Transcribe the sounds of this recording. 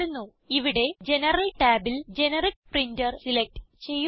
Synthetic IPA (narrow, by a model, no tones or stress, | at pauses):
unːu | iʋiɽe̞d͡ʑe̞nɐrɐlʈaːbild͡ʑe̞nɐrik̚prindɐrsilek̚ʈɨt͡ɕe̞jː